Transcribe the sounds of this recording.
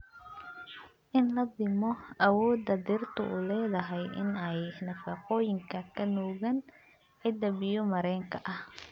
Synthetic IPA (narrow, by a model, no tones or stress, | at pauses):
ʔɪnlɐd̪ɪmɔʔɐwɔːd̪ɐd̪ɪrt̪ʰʊ̰ʔṵːlɛːðɐɦɛjʔɪ̰nɛjnɐfɑːqɔːjɪŋkʰɐkʰɐnɔːɣɐn | ɛd̪ɐβɪjɔmɐɾɛːŋkʰɐʔɐh